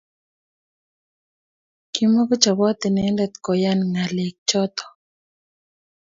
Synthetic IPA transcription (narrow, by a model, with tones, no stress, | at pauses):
ki˦mɔ˦kɔ˦t͡ʃa˨wɔ˦t̪ɪ˨nɛ˨˦lɛ˨t̪kɔ˨ja˦nŋa˨le˨k̚t͡ʃɔ˦t̪ɔ̥˨